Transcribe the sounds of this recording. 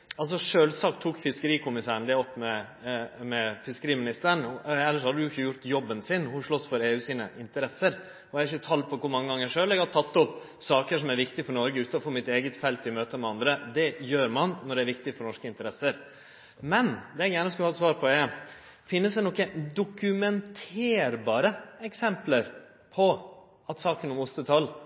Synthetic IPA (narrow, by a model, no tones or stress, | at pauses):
ɑls̬ɔʂøːlsɑːkt̪ʰuːkfɪskəɾiːkʰʊmɪsæːɳ̩d̪ɛɔpːmɛ | mɛfɪskəɾiːmɪnɪst̪əɳɛlːəɾʂɔhɑd̪ədʉjʊɪçːəjʊɾt̪jɔbːənsɪnhʊʂɭɔsfɔɾeːʉːsiːnə̰ʔɪnt̪əɾɛsːəɾ | ɔæɾɪçːət̪ʰɑlpʰɔkʰʊɾmɑŋːəɡɑŋːəʂøːlɛɡhɑt̪ʰɑt̪ːɔpː | sɑːkəʂɔmæɾʋɪkt̪ɪfɔɾɳɔɾɡəʉːt̪əɔfoːmɪt̪eːɡət̪fɛlt̪ɪmøːt̪əmɛɑnd̪ɾəd̪ɛjøːɾmɑnnɔɖɛæɾʋɪkt̪ɪfɔɾɳɔʂkəɪnt̪əɾɛsːəɾ | mɛnd̪ɛɛɡjæːɳəɔskʉlɑːɛt̪sʋɑːɾpʰɔɛ | fɪnːəsd̪ɛnɔkːəd̪ʊkʉmɛnt̪ʰeːɾbɑːɾəɛksɛmpləɾ | pʰɔ | ɑt̪sɑːkənɔmʊst̪ət̪ʰɑlː